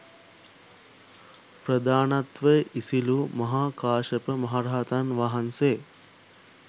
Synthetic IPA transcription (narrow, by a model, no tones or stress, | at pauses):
pɾəd̪aːnat̪ʋəjʔisilumɐɦaːkaːʃəpəmɐɦaɾaːt̪anʋaɦanseː